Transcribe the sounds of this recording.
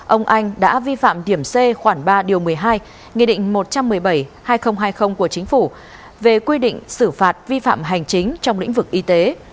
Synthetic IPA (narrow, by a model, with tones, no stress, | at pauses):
ʔə˧wŋ͡mʔa˧jŋ̟ɗa̰ː˧˥vi˧fa̰ː˧˨mɗi˧˩əmse˧xwaː˧˩nɓaː˧ɗi˨˩əwmɨ˨˩əjɦaː˧j | ŋḭ˧˨ɗḭ̈˧˨ŋ̟mo˨˩t̚t͡ɕa˧mːɨ˨˩əjɓə˧˩jhaː˧jxə˧wŋ͡mɦaː˧jxə˧wŋ͡mku˧˩ət͡ɕï˨˦ŋ̟fu˧˩ | ve˨˩kwi˧ɗḭ˧˨ŋ̟sɨ˧˩faː˨˩t̚vi˧fa̰ː˧˨mɦa˨˩jŋ̟t͡ɕï˨˦ŋ̟t͡ɕɔ˧wŋ͡mlḭ˧˥ŋ̟vɨ˨˩k̚ʔi˧t̪e˨˦